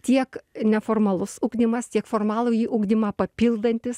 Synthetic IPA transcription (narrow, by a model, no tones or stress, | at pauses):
t̪ʲiɛknʲɛfoːrmɐlˠʊsuːɡd̪ʲɪmɐst̪ʲiɛkfoːrmɑːlˠuːjiːʔuːɡd̪ʲɪmɑːpɐpʲilˠd̪ɐnʲt̪ʲɪs